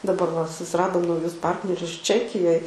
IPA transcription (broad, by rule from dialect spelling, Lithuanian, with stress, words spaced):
dɐˈbɐr ʋɐ sʊsʲɪrɐdoːm nɐʊˈjʊs ˈpɐrʲtʲnʲɛrʲʊs ˈt͡ʃʲæːkʲɪjoːj